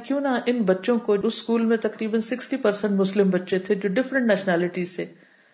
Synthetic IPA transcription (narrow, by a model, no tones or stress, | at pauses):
kjũːnɐʔɪnbɐtːʃõkoʊsːkuːlmẽt̪ɐkɾiːbənsɪksʈipɐɾsə̃ɳʈmʊslɪmbɐtːʃet̪ʰed͡ʒoːɖɪfɾə̃ɳʈnɛːʃnɛːlɪʈiːzseː